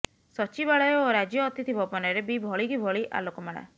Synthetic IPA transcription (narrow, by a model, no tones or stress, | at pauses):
sɔt͡ʃibaɭɔjɔːɾad͡ʒjɔːt̪it̪ʰibɔpɔnɔɾebibʱɔɭikibʱɔɭiʔa̰lokɔmaɽ̃a̰